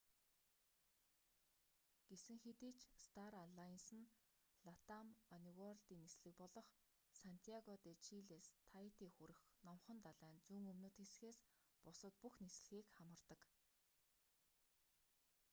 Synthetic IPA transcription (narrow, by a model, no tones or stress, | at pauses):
ɡ̥esɘ̆ŋxet̪iːt͡ɕst̪ʰaɾaɮajnsɘ̆n | ɮat̪amɔniɣɔrɮt̪iːnesɮɘ̆k̚pɔɮɞ̆χ | san̥t̪ʰijaɣɔt̪et͡ɕʰiɮeːst̪ʰait̪iːŋxuɾɘ̆xnɔmχɞ̆nt̪aɮæːnt͡suːŋɵmnoːt̪xesxeːs | pʊsə̆t̪̚puxnesɮɘ̆xiːkχamə̆rt̪ə̆k